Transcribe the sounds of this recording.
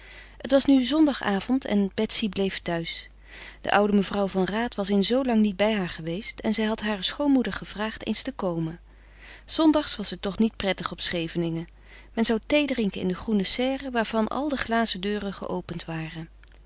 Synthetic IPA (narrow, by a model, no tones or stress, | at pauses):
ɦətʋɑsnyzɔndɑχaːv̥ɔntɛ̰nb̥ɛtsiblejftœɥs | d̥ə̰ʔʌwdəməvrʌwvɑnraːtʋɑsɪnzowlɑŋnid̚bɛjɦaːɹχəʋejstɛnzɛjɦɑtɦaːrəsχownmudəɹχəv̥raːχtḛjnstəkowmən | z̥ɔndɑχsʋɑsətɔχnit̚prɛtəχɔpsχejvənɪŋə | mɛnzɑwtejdrɪŋkənɪ̰ndəχrunəsɛːrəʋaːɹv̥ɑnʔɑ̰lˠdəχlaːzədøːrəχə̰ʔowpəntʋaːrən